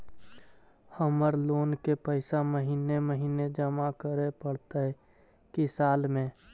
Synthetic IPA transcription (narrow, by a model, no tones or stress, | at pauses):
həməɾloːnkepəɪsaməɦiːneməɦiːned͡ʒəmakəɾepəɽ̤t̪aɦɛ | kisaːlmẽ